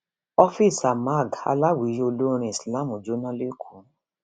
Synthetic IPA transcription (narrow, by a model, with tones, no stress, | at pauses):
ɔ˦fi˦˨sa˨ma˦˨ɡa̰˧la˦wi˨˦jo˧lo˦˧ɾ̃ĩ˧i˨sla˦˨mũ˨d͡ʒo˨˦nã˦le˦kʰu˨˦